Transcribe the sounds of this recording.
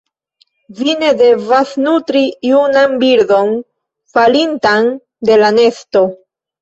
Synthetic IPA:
vine̞de̞vasnutɾijunanbiɾdo̞n | falintan | de̞lane̞sto̞

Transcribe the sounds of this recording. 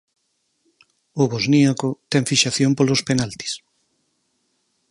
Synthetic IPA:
oβozniakot̪ɛŋfiʃaθjompolospenalt̪i̥s

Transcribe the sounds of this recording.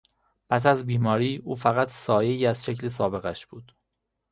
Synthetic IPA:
pʰæs̬æzbiːmɒːɾiːʔuːfæɣæt̪ʰsɒːjeiːæzʃecles̬ɒːbe̞ɣæʃb̥uːd̪̥

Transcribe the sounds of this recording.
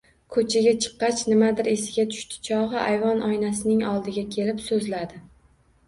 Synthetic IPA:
kʰɵt͡ʃʰaɡʲat͡ʃʰɨ̥qːɑt͡ʃʰnɪmad̪ɪɾe̞sɪɡʲat̪ʰʊ̥ʃt̪ʰɪ̥t͡ʃʰɒʁɨʔajvɒnʔɒjnasɪnɪŋɒlˠd̪ɪɡʲakʲʰe̞lɪpsɵzlad̪ɪ

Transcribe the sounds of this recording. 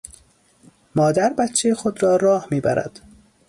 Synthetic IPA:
mɒːd̪æɾbæt̪t͡ʃʰːejxod̪ɾɒːɾɒːhmiːbæɾæ̰d̪̥

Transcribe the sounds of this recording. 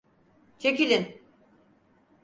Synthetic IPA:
t͡ʃʰe̞kilʲin

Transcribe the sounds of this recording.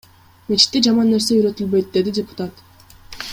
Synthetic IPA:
me̞t͡ʃʰi̥t̪ːid͡ʒɑmɑnːe̞ɾse̞yɾø̞t̪ylbø̞jt̪̚d̪e̞d̪idʲepʊ̥t̪at̪

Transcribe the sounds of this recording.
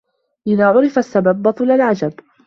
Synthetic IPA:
ʔɪðaːʕʊɾɪfasːababːɑt̪ˤulalʕad͡ʒab

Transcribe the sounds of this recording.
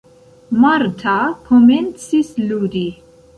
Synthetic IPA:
maɾt̪ʰakʰɔmɛnt̪sisluɾi

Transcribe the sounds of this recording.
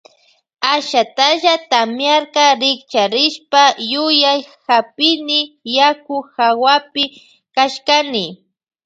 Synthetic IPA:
aʃat̪aʒat̪amjaɾqɑɾɪkt͡ʃaɾɪʃpajʊjajhapɪnɪjakʊxawapɪ | kaʃkanɪ

